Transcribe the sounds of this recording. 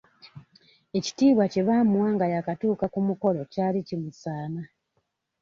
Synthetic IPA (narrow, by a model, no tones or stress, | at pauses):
e̞ci̥tiːβwace̞βaːmuwaːŋɡajakatuːkakumuko̞lo̞caːlicimusaːna